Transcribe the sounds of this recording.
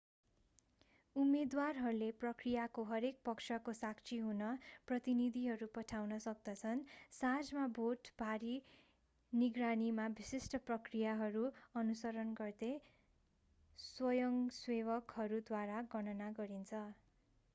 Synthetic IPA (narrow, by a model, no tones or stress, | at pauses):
umed̪warɦʌɾuleprʌkrijakoɦʌɾek̚pʌksʰʌkosak̚t͡sʰiɦunʌprʌt̪inid̪ʱiɦʌɾupʌʈʰawnʌsʌk̚d̪ʌt͡sʰʌnsãd͡zmabʱoʈbʱaɾi | niɡranimabisisʈʌprʌkrijaɦʌɾuʌnusʌɾʌnɡʌrd̪e | swʌjʌŋsweβʌkɦʌɾud̪waɾaɡʌnʌnaɡʌɾint͡sʰʌ